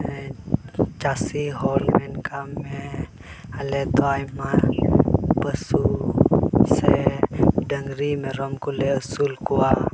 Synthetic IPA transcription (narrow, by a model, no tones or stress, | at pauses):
t͡ʃasiɦɔlmɛnkame | alɛt̪oajma | pəsu | se | dəŋɾimɛɾɔmkuleəsulkua